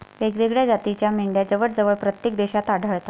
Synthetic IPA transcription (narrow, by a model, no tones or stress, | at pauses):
ʋeɡʋeɡɭjad͡zat̪it͡ɕjamiɳɖjad͡zəʋəɽd͡zəʋəɭpɾət̪jek̚d̪eɕat̪aɽʱəɭt̪a